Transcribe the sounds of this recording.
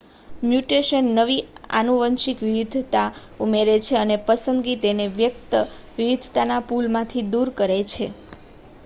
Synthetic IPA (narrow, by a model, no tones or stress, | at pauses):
mjuʈeʃənːəʋia̰nuʋənʃikʋɪʋɪd̪ʱt̪aumeɾet͡ʃʰeənepəsənd̪ɡit̪eneʋjək̚t̪ə | ʋiʋɪd̪ʱt̪anapulmãt̪ʰid̪uɾkəɾet͡ʃʰe